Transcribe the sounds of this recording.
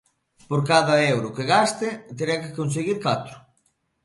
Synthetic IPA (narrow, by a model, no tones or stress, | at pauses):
poɾkaðɐɛwɾʊkeɣast̪et̪eɾekekons̬eɣiɾkat̪ɾʊ̥